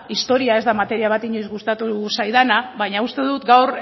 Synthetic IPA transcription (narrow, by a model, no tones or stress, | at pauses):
ist̪o̞ɾiae̞zd̪amat̪e̞ɾiaβ̞at̪iɲo̞jzɣust̪at̪usajðanaβajɲaust̪e̞ðut̪ɡawɾ